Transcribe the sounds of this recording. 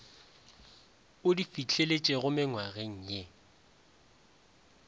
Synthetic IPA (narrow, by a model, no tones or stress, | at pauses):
ʊdifit͡ɬʰʼelet͡ʃʼeɣʊmɪŋwaɣeŋ̩ːɲɛ